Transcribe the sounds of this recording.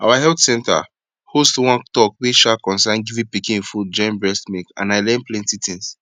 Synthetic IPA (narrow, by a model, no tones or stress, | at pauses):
a̰waɦɛltsɛ̃nta̰ | hostwɔ̃ntɔkwiʃakɔ̃nsãnɡivĩpikĩfud͡ʒɔ̃mbɹɛstmekã̰naɪlɛ̃nplẽntitʰĩns